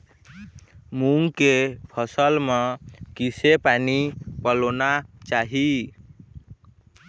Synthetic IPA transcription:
muŋɡkepʰʌsəlmʌkisepanipəlonat͡ʃaɦi

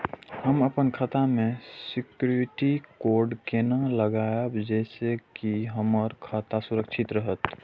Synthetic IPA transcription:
həməpənkʰaːt̪amẽsɪkuɪʈikoːɾɖkenələɡaːjəbd͡ʒɛːsekiɦəməɾkʰaːt̪asʊɾəkʃʰɪt̪ɾəɦət̪

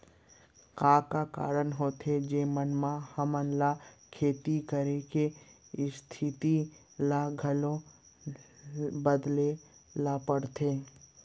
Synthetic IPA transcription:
kaːkaka̰ːɾənɦoːt̪ed͡ʒeːmənmãhəmənlakʰeːt̪ikəɾekest̪ʰɪt̪i | laɡʱəlõ | bəd̪lelapəɽt̪ʰeː

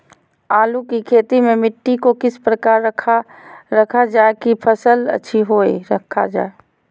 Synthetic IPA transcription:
aːlukikʰeːt̪imẽmɪʈːikokɪspɾəkaːɾəa | ɾɐkʰad͡ʒaːekipʰəsələ̰tːʃʰiɦoːeɾəkʰːad͡ʒa̰ːe

